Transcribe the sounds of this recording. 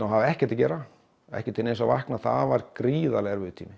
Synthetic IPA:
awɦavɛhcɛɾt̪acɛːɾa | ɛ̰hcɪt̪ʰɪlejnsavahknaθa̰ðvaɾkɾiːðalɛɣaɾvɪðʏt̪ʰiːmɪ

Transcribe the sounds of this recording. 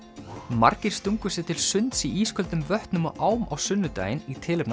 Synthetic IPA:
ma̰ɾcɪɾ̥st̪uŋkʏsjɪt̪ʰɪlsʏnt̪siiːskʰœlt̪ʏmvœht̪nʏmɔʔaːwma̰wsʏnːʏt̪a̰ːjɪnit̪ʰɪːlʏpn

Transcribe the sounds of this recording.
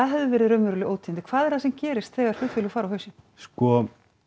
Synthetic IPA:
aðɦɛvðɪvɛːɾɪðɾœɥmʏɾʏlɪʔoːwt̪ʰint̪ɪ̥kʰv̥aːðɛɾ̥θasɛmcɛːɾɪst̪θɛːɣaɾ̥lʏːt̪fɪlfaːɾawhœɥsɪ | skɔ

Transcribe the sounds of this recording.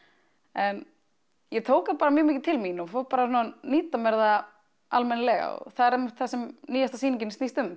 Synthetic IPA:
m | jɛt̪ʰoːwkapaːɾamjʏːmɪːcɪ̥t̪ʰɪlminɔfoːw̚paːɾasnuaniːt̪amɛɾða | ʔalmɛnlɛɣa̰ɔ̰θaðɛɾɛmɪht̪θasɛmniːjast̪asiːnɪɲcɪnstniːst̪ʏm

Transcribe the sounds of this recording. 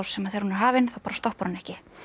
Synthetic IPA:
wsːɛmːaðeɾhunɪɾ̥ɦaːvɪnθawpaːɾḁst̪ɔhpɔɾnɛhcɪ

